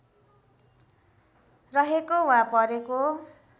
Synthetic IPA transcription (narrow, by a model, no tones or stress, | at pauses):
rʌɦekowapʌɾeko